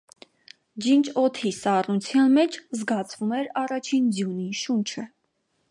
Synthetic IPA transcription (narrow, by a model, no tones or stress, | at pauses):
d͡ʒint͡ʃʰɔt̪ʰisɑrnut͡sʰjɑnmɛt͡ʃʰzɡɑt͡sʰvumɛɾɑrɑt͡ʃʰind͡zjuniʃunt͡ʃʰə